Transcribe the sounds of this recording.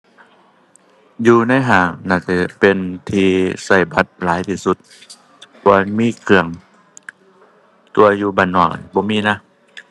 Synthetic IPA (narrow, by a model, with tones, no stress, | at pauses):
juː˧na˧˥˨jɦaː˧˩ŋnaː˧˩tɛ˧˩pe˧˨nt̪ʰiː˧sa˧˩jba˧˦t̪̚laː˨˦jt̪ʰiː˧su˧˦t̪̚ | kɔ˧miː˧˥˨kʰɯ˧˩əŋ | t̪u˧ɐjuː˧ba˧˩nːɔ˧˩bɔː˧˦miː˧˥˨na˧˥˨